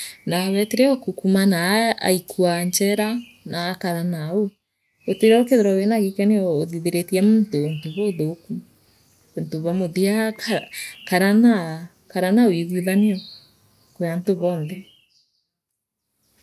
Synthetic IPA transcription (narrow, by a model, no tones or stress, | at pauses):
naβɛteɾeokukumanaa̰ikʰuaɲt͡ʃɛɾa | naːkaɾanao | oteɾɛokeðeɾɔwenaɣekɛneɔːðiðeɾetiɛmoːntontoβoðoku | ontoβɔmoðiakkaɾana | kaɾanawiɣiðaneɔ | kojantoβɔnðɛ